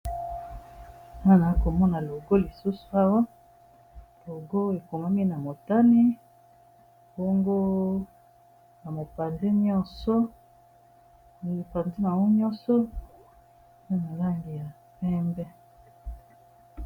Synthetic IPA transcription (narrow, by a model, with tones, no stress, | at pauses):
na˦na˨˦ko˨mɔ˦na˨lo˨ɡo˦li˨su˦su̥˨a˦wa˦ | lo˨ɡo˦e˨ko˨ma˦mi˦na˨mo˨ta˦ni˦ | bo˦ŋɡo˦ | na˨mo˨pa˨ndɛ˦ɲɔ˦nsɔ˦ | i˨i˨pa˨ndi˦ma˨wu˦ɲɔ˦sɔ˦˨ | pe˦na˨la˦ŋɡi˨ja˨ | pɛ˦mbɛ˦